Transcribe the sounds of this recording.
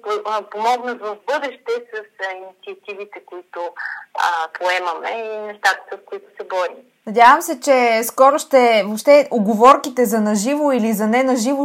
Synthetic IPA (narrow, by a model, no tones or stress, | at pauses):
pomɔɡnəzvɐvbɤd̪ɛʃt̪ɛsəsinit̪siɐt̪ivit̪ɛkoit̪ʊəpʰoɛmɐmɛinɛst̪at̪ə̥sɐskʊit̪ʊ̥sɛbɔɾim | nɐd̪ʲavəmsɛt͡ʃɛskɔɾʊʃt̪ɛvopʃt̪ɛoɡovɔɾkit̪ɛzɐnɐʒivoilizɐnɛnɐʒivʊ